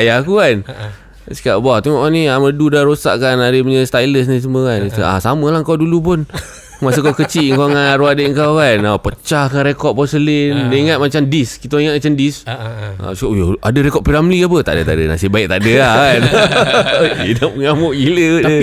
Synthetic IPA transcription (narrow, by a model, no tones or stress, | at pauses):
ajakukan | si̥kaʔbat̪uŋaʔaniamədudaɾosa̰ʔkanaɾəpəɲəst̪ajləs̬nis̬əməkansəa̰saməlahŋkawdulup̬ʊn | masəkakət͡ʃiʔŋkaŋaɾuadəəŋkawkanapət͡ʃahkanɾekɔt̪̚pasəlinneiŋat̪̚mat͡ʃamdiskit̪aiŋat̪̚mat͡ʃamdisa̰si̥kaʔujaa̰dəɾekɔt̪̚piɾamlikap̬ət̪a̰ʔdət̪a̰dəna̰sibaiʔ̚t̪aʔdəakan | edapəŋamuʔɡilədə